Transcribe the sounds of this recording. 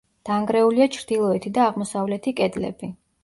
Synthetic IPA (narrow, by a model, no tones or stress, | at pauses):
d̪̥aŋɡɾɛuliat͡ʃʰɾd̪̥ilˠɔɛt̪ʰid̪aːʁmɔsavlɛt̪ʰikʼɛd̪lɛ̰b̥i